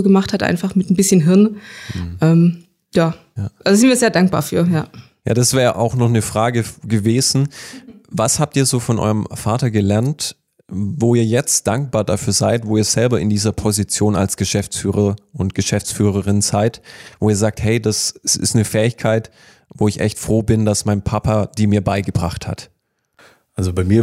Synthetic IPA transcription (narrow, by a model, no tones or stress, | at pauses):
oɡəmaχthatʔa̰ɪnfaχmɪtn̩bɪsçənɦɪɐn | ʔɛːm | jaː | jaːʔalzozɪntviːɐzeːɐdaŋk̚b̥a̰ːfyːɐjaː | ja̰ːdasv̥ɛːʁəʔa̰ʊxnɔχnəfʁ̥aːɡəɡəveːzn̩ | vashaːp̚tiːɐzoːfɔnʔɔ̰ʏʁəmfaːtɐɡəlɛɐnt | voːiːɐjɛt͡std̥aŋk̚b̥aːɐdafyːɐzaɪtvoːiːɐz̥ɛlbɐɪndiːzɐpʰozit͡sjoːna̰lsɡ̥əʃɛft͡sfyːʁɐʔʊntɡ̥əʃɛft͡sfyːʁəʁɪnzaɪtvoːiːɐzaːk̚thɛɪdassɪ̰stnəfɛːɪçkʰaɪt | voːɪçʔɛ̰çtfʁ̥oːbɪndasmaɪnpʰapad̥iːmiːɐbaɪɡəb̥ʁaχtha̰t | ʔalzobaɪmiːɐ